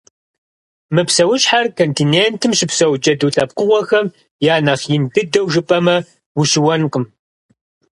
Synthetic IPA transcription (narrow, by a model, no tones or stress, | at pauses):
mɨpsɐwʊɕħarkʰontʰineːntʰɨmʃɪpsɐwd͡ʒɐduːɬʼɐp̚qʊʁʷɔxɐm | jaːnɐχjɪndɨdɐwʒɨpʼɐmɐ | wʊʃɪwɐnqəm